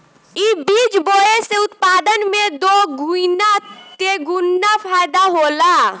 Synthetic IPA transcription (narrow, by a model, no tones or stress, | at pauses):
ibiːt͡ʃboːeseʊt̪paːd̪ənmẽd̪oɡunat̪eɡʊnːapʰaːɪd̪aɦoːlaː